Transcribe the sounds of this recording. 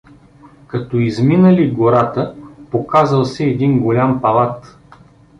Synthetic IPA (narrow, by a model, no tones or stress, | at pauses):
kɐt̪ɔizminəliɡoɾat̪əpokazəlˠsɛːd̪inɡolʲampɐlˠat̪